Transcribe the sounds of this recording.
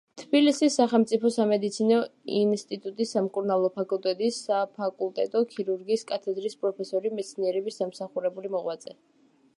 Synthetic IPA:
t̪ʰbilisisːaχɛlˠmt̪sʼipʰɔsamɛd̪it̪sʰinɔinst̪ʼit̪ʼut̪ʼisːamkʼuɾnalˠɔpʰakʼulˠt̪ʼɛd̪isapʰakʼulˠt̪ʼɛt̪ʼɔkʰiɾuɾɡiːskʼat̪ʰɛd̪ɾispʼɾɔpʰɛsɔɾimɛt̪sʰniɛɾɛbisamsaχuɾɛbulimɔʁwat̪sʼɛ

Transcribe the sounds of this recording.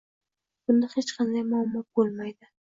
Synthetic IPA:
b̥ʊnd̪ahet͡ʃqʰɑnd̪ajmʊɒmːɒt̪̚bolˠmajd̪ɪ

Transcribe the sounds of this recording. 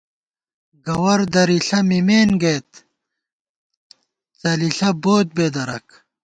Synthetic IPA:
ɡɐwɐɾd̪ɐɾiɬɐmimeːnɡeːt̪ | t͡sɐliɬɐboːt̪̚beːd̪ɐɾɐk

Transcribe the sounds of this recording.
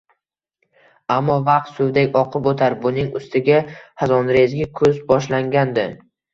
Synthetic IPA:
amːɒvɑq̚t̪sʊwd̪ekʲɒqʰɨpot̪ʰaɾbʊnɪŋʊst̪ʰɪɡʲahazɒnɾezɡʲɪkʰɵzbɒʃlaŋɡʲand̪ɪ

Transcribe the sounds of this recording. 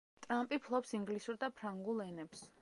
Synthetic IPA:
t̪ʼɾampʼipʰlˠɔpsiŋɡlisuɾd̪apʰɾaŋɡulˠɛnɛps

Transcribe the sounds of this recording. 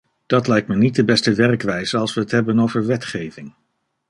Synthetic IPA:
d̥ɑtlɛjk̚tmənit̚dəbɛstəʋɛɹkʋɛjzəɑlˠsʋəɦətɦɛbənowvəɹʋɛtχejvɪŋ

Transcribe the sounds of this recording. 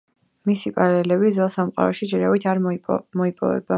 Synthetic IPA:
misipʼaɾalɛlɛbizwɛlˠsamqʼa̰ɾɔʃid͡ʒɛɾavit̪ʰaɾmɔipʼɔ̰vɛ̰b̥a

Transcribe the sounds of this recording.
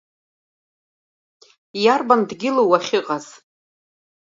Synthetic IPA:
jarbandɡʲɪlowaχʲɪqʼaz̥

